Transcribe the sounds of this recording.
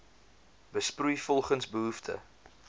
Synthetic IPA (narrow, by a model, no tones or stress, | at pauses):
bəsprujfɔlˠχənsbəɦuftʰə̰